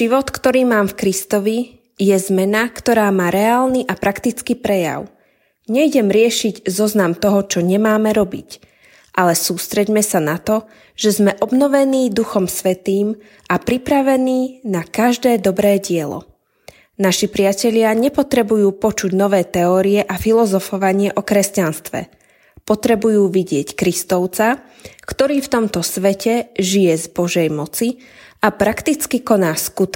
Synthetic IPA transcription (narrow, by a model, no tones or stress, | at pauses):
ʒiʋɔt̪kt̪ɔɾiːmaːmfkɾist̪ɔʋi | jɛzmɛnakt̪ɔɾaːmaːɾɛaːlniʔapɾʔakt̪it͡skipɾɛja̰ʊ | ɲɛjɟɛmɾɪɛʃiɟzɔznamt̪ɔɦɔt͡ʃɔɲɛmaːmɛɾɔbḭc | ʔalɛsuːst̪ɾɛɟmɛsanat̪ɔ | ʒ̥ɛzmɛʔɔbnɔʋɛniːd̪uxɔmsʋɛt̪iːm | ʔapɾipɾaʋɛniːnakaʒd̪ɛːd̪ɔbɾɛːɟɪɛlɔ̰ | naʃipɾɪacɛʎɪaɲɛpɔt̪ɾɛbujuːpɔt͡ʃuɟnɔʋɛːt̪ɛɔːɾiɛʔafilɔzɔfɔʋaɲɪɛʔɔkɾɛscanst̪ʋɛ̰ | pɔt̪ɾɛbujuːʋiɟɪɛckɾist̪ɔʊt͡sa | kt̪ɔɾiːft̪ɔmt̪ɔsʋɛcɛʒijɛzbɔʒɛjmɔt͡si | apɾakt̪it͡skikɔnaːskut̪